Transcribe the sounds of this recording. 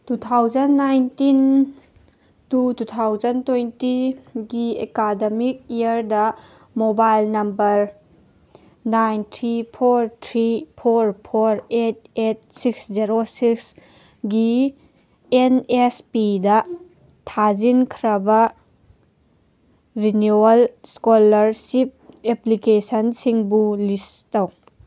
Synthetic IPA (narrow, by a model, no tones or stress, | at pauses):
tutʰawzɐnːajntin | tututʰawzɐntojntiɡiḛkademik̚ijɐɾdɐ | mobajlnɐmbɐɾ | najntʰɾipʰoɾtʰɾipʰoɾpʰoɾet̚et̚sikszeɾosiks | ɡi | enespidɐ | tʰazinkʰɾɐbɐ | ɾinuɐlskolɐɾsip̚eplikesɐnsiŋbulistɐw